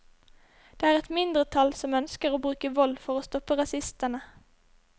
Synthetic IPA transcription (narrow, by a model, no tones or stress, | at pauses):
d̪̥eːæːʁɛt̪mɪnd̪ʁət̪ʰɑlsɔmœnskəʁoːbʁʉːkəʋɔlfɔʁoːst̪ɔpəʁɑsɪst̪ənə